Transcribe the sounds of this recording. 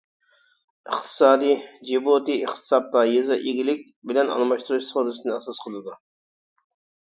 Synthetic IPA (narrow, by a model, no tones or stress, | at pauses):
əχt̪ʰɨ̥sɑːd̪ijd͡ʒebut̪ɨəχt̪ʰɨ̥sɑp̚t̪ɑjizɨʔeɡʲilɪk̚ʲbɪlɛnɑ̰nɨmɑʃt̪uɾuʃsozɨsɨnɨɛsɑsqʰəlˠɨd̪u